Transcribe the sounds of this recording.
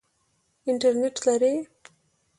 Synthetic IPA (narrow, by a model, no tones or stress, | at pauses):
ɪɳʈaɾneʈlaɾe